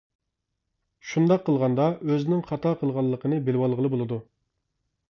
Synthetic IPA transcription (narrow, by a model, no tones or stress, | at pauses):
ʃund̪ɑqʰːəlˠʁɑnd̪ɑøzɪnɪŋχɑt̪ʰɑqʰəlˠʁɑlˠːəqʰənɨbelwɑlˠʁəlˠɨbolˠɨd̪u